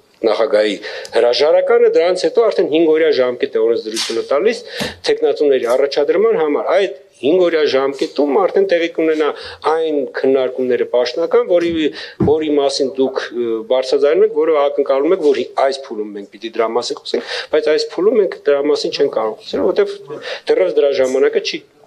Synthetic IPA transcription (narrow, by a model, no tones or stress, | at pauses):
nɑχɑɡɑjihəɾɑʒɑɾɑkɑnəd̪əɾɑnt͡sʰhɛt̪ɔɑɾt̪ʰɛnhiŋɡɔɾjɑʒɑmkɛt̪ɛɔɾɛnt͡sʰd̪əɾut͡sʰjunət̪ɑlist̪ʰɛknɑt͡sunɛɾiɑrɑt͡ʃʰɑd̪əɾmɑnɦɑmɑɾɑjd̪ | hiŋɡɔɾjɑʒɑmkɛt̪umɑɾt̪ʰɛnt̪ɛʁikunɛnɑɑjnkʰənːɑɾkumnɛɾəpɑʃt̪nɑkɑnvɔɾivɔɾimɑsind̪ukʰbɑɾt͡sʰɾɑd͡zɑjnumɛkʰvɔɾəɑkəŋkɑlumɛkʰvɔɾhiɑjspʰulumːɛŋk̚ʰpit̪id̪əɾɑmɑsinχɔ̥sɛŋb̥ɑjt͡sʰɑjspʰulumːɛŋkʰd̪əɾɑmɑsint͡ʃʰɛŋkʰkɑɾɔʁt͡sʰɛluvɔɾt̪ɛvd̪̥ərɑt͡sd̪əɾɑʒɑmɑnɑkət͡ʃʰi